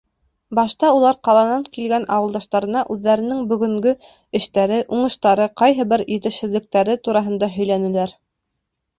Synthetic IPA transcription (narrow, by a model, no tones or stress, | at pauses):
bɑʃt̪ɑulˠɑɾqɑlˠɑnɑŋkilɡænʔɑwɤ̆lˠd̪ɑʃt̪ɑɾɤ̆nɑʔʉðːæɾɘ̆nɘŋbɵ̆ɡɵ̆ŋɡɵ | ɘ̆ʃt̪æɾɘʔuɴɤ̆ʃt̪ɑɾɤqɑjɦɤ̆bɘɾjɘ̆t̪ɘ̆ʃhɘ̆ðlɘ̆k̚t̪æɾɘt̪uɾɑɦɤ̆nd̪ɑɦɵ̆jl̪ænɘ̆læɾ